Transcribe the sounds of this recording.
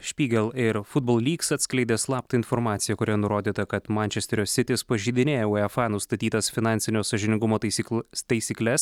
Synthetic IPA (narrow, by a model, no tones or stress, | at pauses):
ʃʲpʲiːɡʲɛlˠɪɾfʊd̪boːlˠlʲiːksɑt̪ʲsʲklʲɛɪd̪ʲeːslˠɑːp̚t̪ɐɪnfɔɾmɑːt̪sʲɪjɛkʊɾʲɛnʊɾoːd̪ʲiːt̪ɐkɐt̪mɐnʲt͡ʃʲɛsʲt̪ʲɛɾʲoːsʲɪt̪ʲɪspɐʒʲiːd̪ʲɪnʲeːjouːɛfɑnʊst̪ɐt̪ʲiːt̪ɐsfʲɪnɑnʲsʲɪnʲoːsɐʒʲɪnʲɪŋɡʊmoːɐsʲist̪ɐɪsʲiːklʲɛs